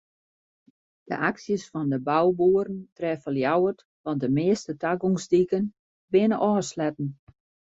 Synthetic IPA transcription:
d̥ə̰ʔaksjəsfɔndəbawbuəɾəntrɛfəlˠjawərt | ʋɔntdəmɪːəstətaɡoŋsdikən | bɪnəʔɔːslɛtn̩

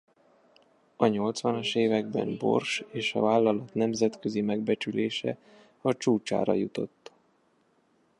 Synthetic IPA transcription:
ɒɲo̞lt̪sʋɒnɒʃeːvɛɡ̚bɛ̰mbo̞̰rʃeːʃɒ̰vaːlːɒlɒt̪nɛmzɛt̪køzimɛɡbɛt͡ʃyleːʃɛ̰ | ɒt͡ʃuːt͡ʃa̰ːɾɒ̰jut̪o̞̰t̪ː

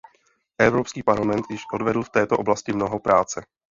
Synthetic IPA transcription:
ʔɛvɾopskiːpaɾlamɛnt̪jɪʃʔo̞dvɛdl̩ft̪ɛːt̪oʔoblascɪmno̞ɦo̞pɾaːt͡sɛ

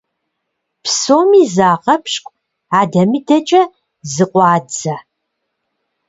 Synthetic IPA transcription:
pʰsoːmiːzaːʁɐpʰɕkʷʼ | aːdɐmiːdɐt͡ʃʼɐ | zɨqʷɑːd͡zɐ

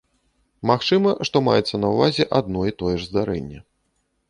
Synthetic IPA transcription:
maxt͡ʂɨmɐʂt̪ɔma̰jɛt̪sːɐnɐwvazʲɛʔad̪̚nɔit̪ɔjɛʐzd̪aɾɛ̰nʲːɛ

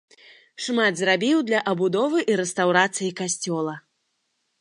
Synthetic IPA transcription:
ʂmad̪zɾabʲiwd̪lʲɐʔɐbud̪ɔvɨʔiɾɛst̪awɾat̪sɨjikasʲt͡sʲɔlˠɐ

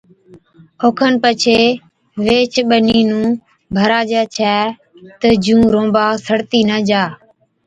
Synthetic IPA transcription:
oːkʰənpət͡ʃʰeː | ʋeːt͡ʃʰɓəniːnũː | bʱəɾaːd͡ʒaːt͡ʃʰɛː | t̪əd͡ʒũːɾõːbaːsəɽt̪iːnəd͡ʒaː

